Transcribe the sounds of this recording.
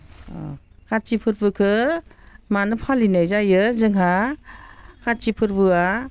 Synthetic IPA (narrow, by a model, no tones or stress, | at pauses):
kʰat̚t͡ʃipʰɯɾbɯkʰɯ | manɯpʰalinajzajɯzɯŋɦa | kʰat̚t͡ʃipʰɯɾbɯa